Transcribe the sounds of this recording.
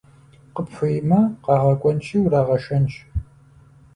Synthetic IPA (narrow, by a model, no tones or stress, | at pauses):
qəpfʷʊjɪmɐqɑːʁɐkʷʼɔnt͡ʃʰʼiːwraːʁɐʃɐnt͡ʃʼ